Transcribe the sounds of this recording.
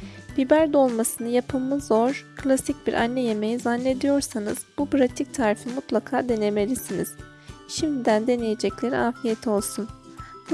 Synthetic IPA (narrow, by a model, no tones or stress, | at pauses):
b̥ibæɾd̪o̞lˠmasɯnɯjapʰɯmːɯzo̞ɾ̥kʰlʲasic̚biɾʔa̰nːɛje̞me̞jizanːe̞d̪ijo̞ɾsanɯz̥bupʰɾat̪ʰic̚t̪ʰaːɾifimut̪lˠakʰaːd̪e̞ne̞me̞lʲisiniz̥ | ʃimd̪id̪ænd̪e̞nejed͡ʒɛclʲe̞ɾḭaːfijet̪ʰio̞lˠsun